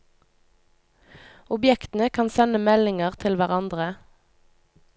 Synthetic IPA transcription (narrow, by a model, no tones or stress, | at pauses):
ʊbjɛkt̪n̩əkʰɑnsɛnəmɛlɪŋəʁt̪ʰɪlʋæʁɑnd̪ʁə